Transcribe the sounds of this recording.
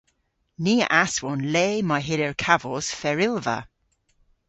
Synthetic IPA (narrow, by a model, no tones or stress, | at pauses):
niːə̰ʔaswɔnleːmajɦɪlɛɹkʰavɔz̥fɛɹɪlvə̰